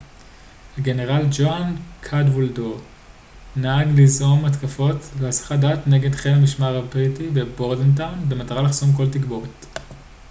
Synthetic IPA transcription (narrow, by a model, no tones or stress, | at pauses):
haɡe̞ne̞ʁald͡ʒoankʰadvuldo | naaɡlizʔo̞matkafo̞tlehasḁχadatne̞ɡe̞dχelhamiʃmaʁabʁitibe̞boʁdent̬anbe̞mataʁalaχsomko̞ltikbo̞ʁet